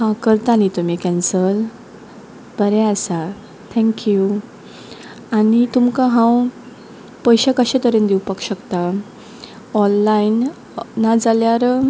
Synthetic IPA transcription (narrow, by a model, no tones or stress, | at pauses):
hãkəɾt̪anit̪umikɛ̃nsəl | bəɾɛ̃asa | t̪ʰɛ̃ŋkju | anit̪umkaɦãw | pəjɕakəɕẽt̪əɾend̪iwpəkɕəkt̪a | ɔlːain | nad͡zaljaɾ